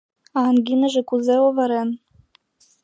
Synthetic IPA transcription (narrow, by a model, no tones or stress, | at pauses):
ɑnɡʲinɘ̆ʒɘ̆kuzeovɑɾen